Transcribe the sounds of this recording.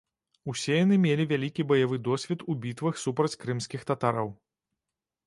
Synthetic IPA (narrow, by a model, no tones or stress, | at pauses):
usʲeɛjanɨmʲelʲivʲalʲikʲibɐjavɨd̪ɔsʲvʲɛt̪ubʲit̪vɨxsupɾɐt͡sʲkɾɨmsʲkʲixt̪at̪aɾɐw